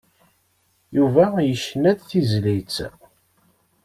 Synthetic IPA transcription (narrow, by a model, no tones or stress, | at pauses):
juvæjəʃːnæd̪θizlit͡sː